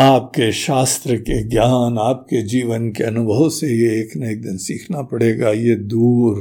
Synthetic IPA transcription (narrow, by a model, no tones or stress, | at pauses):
aːp̚keʃaːst̪ɾəkeɡjaːnaːp̚ked͡ʒiːʋənkeɐnʊbʱəʋosejeeːknɐeːk̚d̪ɪnsiːkʰnapɐɽeːɡajed̪uːɾ